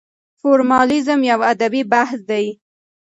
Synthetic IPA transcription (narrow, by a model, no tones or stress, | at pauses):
foɾmɑlizəmjawad̪abibahsd̪aj